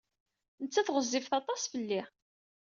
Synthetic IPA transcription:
nət͡sːæθʁəzːivθɑt̪ˤɑsfəlːi

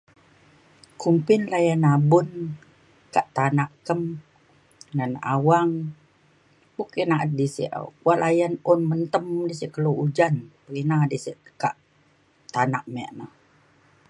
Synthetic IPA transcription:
kumpɪnlajanabʊn | kaʔt̪anaʔkəm | nanʔa̰waŋ | bukinaʔat̪̚disḭʔə̰kuaʔlʔajanʊnmənt̪əmdisiʔkəloud͡ʒanpəɾinadisiʔka̰ʔ | t̪anaʔmɛ̰ʔnəh

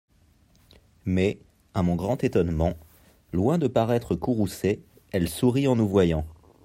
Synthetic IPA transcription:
mɛ | amɔ̃ɡʁɑ̃t̪et̪ɔnmɑ̃ | lwɛ̃d̪əpaʁɛt̪χəkuʁuse | ɛlsuʁiɑ̃nuvwajɑ̃

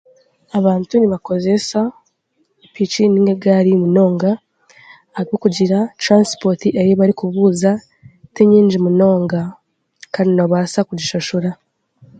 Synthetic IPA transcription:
aβaːntuniβako̞ze̞sa | pit͡ʃiniŋɡeɡaɾimuno̞ːŋɡa | aɾiβokuɟiɾatɾanspotiʔeɾiβaɾikuβuːza | tiɲiːɲd͡ʒimuno̞ːŋɡa | kaːndinoβasakuɟiʃoʃuɾa

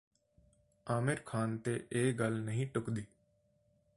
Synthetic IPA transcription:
aːmɪɾkʰaːnt̪ḛːʔeːɡəlnəɦĩːʈʊkd̪iː

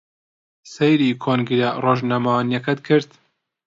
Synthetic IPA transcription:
sejɾiːkʰoːnɡiɾɐroːʒnamawanjɐkɐt̪̚kʰɨɾt̪

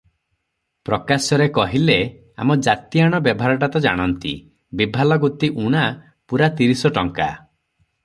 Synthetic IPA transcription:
pɾɔkasɔɾekɔɦile | a̰mɔd͡ʒat̪ijaɽ̃ɔbjɔbʱaɾɔʈ̬at̪ɔd͡ʒa̰ɽ̃ɔnt̪ḭ | bibʱalɔɡut̪iʔuɽ̃a | puɾat̪iɾisɔʈɔŋka̰

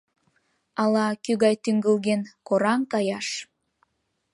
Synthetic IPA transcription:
ɑlɑkyɣɑjt̪yŋɡəlɣenkoɾɑŋkɑjɑʃ

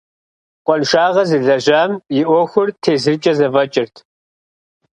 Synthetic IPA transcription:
qʷʼɔnʃaːʁɐzɨɮɐʑaːmjɪʔʷɔxʷʊrtʰeːzɨrt͡ʃʼɐzɐvɐt͡ʃʼɪrtʰ

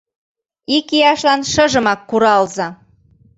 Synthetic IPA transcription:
ikijɑʃlɑnʃɤ̆ʒə̆mɑkːuɾɑlzɑ

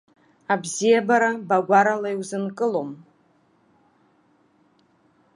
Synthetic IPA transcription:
abzijabaɾabaɡʷaɾalajwzɨnkʼɨlom

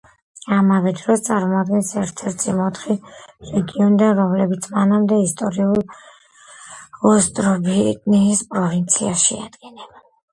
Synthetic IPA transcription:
amavɛd̪ɾɔst̪sʼaɾmɔad̪̚ɡɛnsɛɾt̪ʰɛɾt̪ʰimɔt̪ʰχiɾɛɡiɔnid̪anɾɔmlɛbit̪sʰmanamd̪ɛist̪ʼɔɾiulˠ | ɔst̪ʼɾɔbit̪ʼniːspʼɾɔvint̪sʰiaʃḭa̰d̪ɡɛnɛb

